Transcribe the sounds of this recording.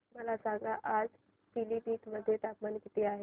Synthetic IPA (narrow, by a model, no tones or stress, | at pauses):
məlasaŋɡaʔad͡z | pilipiːt̪məd̪ʱːjet̪apmankit̪eaɦe